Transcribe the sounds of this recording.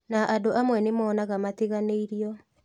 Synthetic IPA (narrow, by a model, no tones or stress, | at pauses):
naʔadoʔamwɛnemɔːnaɣamateɣaneiɾiɔ